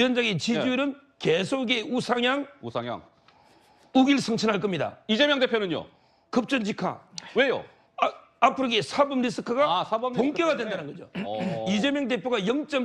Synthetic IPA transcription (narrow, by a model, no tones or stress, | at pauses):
ʌnd͡ʑaŋet͡ɕid͡ʑuiɾɯn | kesʰoɡeusʰaŋjaŋuaja̰ŋ | uɡiɭsʰɯŋt͡ɕʰʌnɦaɭk͈ʌmɲida̰id͡ʑemjʌŋdepʰjonɯɲo̰ | kɯp̚t͡ɕ͈ʌnd͡ʑʰikʰa̰wejo̰ | apʰɯɾoɡesʰabɯmɾis͈ʰɯkʰɯɡasʰabpoŋk͈ʌɣadwendanɯnɡʌd͡ʑoid͡ʑe̞mjʌŋte̞pʰjoɣɡajʌŋt͡ɕ͈ʌm